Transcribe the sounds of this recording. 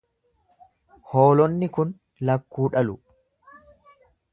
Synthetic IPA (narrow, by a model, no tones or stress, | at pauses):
hoːlɔnːɪkʊn | lɐkːuːᶑɐlʊ